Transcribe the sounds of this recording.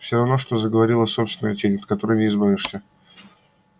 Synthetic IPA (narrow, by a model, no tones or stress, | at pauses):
fsʲoɾɐvno̞ʂt̪o̞zəɡəvɐɾʲilˠəso̞pst̪vʲɪnəjətʲenʲt̪kɐt̪o̞ɾəjnʲɪɪzbavʲɪʂsʲə